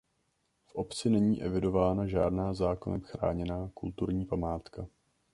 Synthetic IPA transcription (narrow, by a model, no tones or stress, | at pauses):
fʔo̞pt͡sɪnɛɲiːʔɛvɪdo̞vaːnaʒaːdnaːzaːkonɛ̰mxɾa̰ːɲɛnaːkult̪uɾɲiːpamaːt̪ka